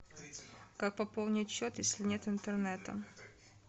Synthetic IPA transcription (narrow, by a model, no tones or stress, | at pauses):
kak̚pɐpolˠnʲɪt͡ɕːot̪jesʲlʲɪnʲet̪ɨnt̪ərnɛt̪ə̰